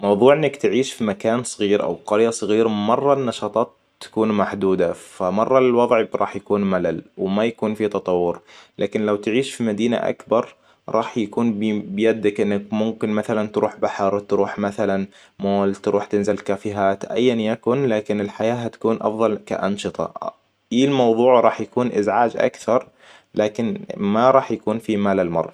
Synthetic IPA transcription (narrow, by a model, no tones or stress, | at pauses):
mɑwðˤuːʕʔɪnːakt̪ʕiːʃfimakaːnsˤɨɣiːɾʔa̰wqɑɾjasˤɣiːɾmɑrˤːɑnːɑʃɑːt̪ˤɑːt̪ː | ḁkuːnmaħd̪uːd̪afamɑrˤːɑɪlwɑðˤʕɾˤʔɑ̰ːħjakuːnmalalwmajakuːnfit̪ɑt̪ˤɑwːʊɾlʔa̰ːkɪnlawt̪ʕiːʃfimad̪iːna̰ʔa̰kbɑɾˤ | ɾˤɑːħjakuːnbɪjad̪ːakʔɪnːakmʊmkɪnmaθalant̪ɾuːħbaħɾˤt̪ɾuːħmaθalan | moːlt̪ɾuːħt̪ɪnzɪlkaːfɪɦaːt̪ʔa̰jːanjakʊnlaːkɪnɪlħajaːɦat̪ḁkuːnʔɑ̰fðˤɑlka̰ʔɑnʃɨt̪ˤɑ̰ | ʔiːlmɑwðˤuːʕɾˤɑːħjakuːnʔɪzʕaːd͡ʒʔa̰kθɑɾˤ | laːkɪnmaɾˤɑːħjakuːnfimaːlalmɑ̰rˤːɑ